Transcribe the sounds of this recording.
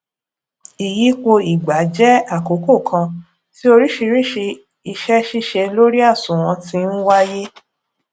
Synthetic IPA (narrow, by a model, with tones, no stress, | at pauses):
i˨ji˨˦k͡po˧i˨ɡ͡ba˨˦d͡ʒɛ˦a˦˨ko˨˦ko˦˨kʰã˧ | ti˦o˧ɾi˦ʃi˧ɾi˦˨ʃi˧ | i˧ʃɛ˦ʃi˦ʃe˧lo˦ɾi˦a˦˨sũ˨w̃ɔ̃˧tĩ˧n̩˦wa˦je˦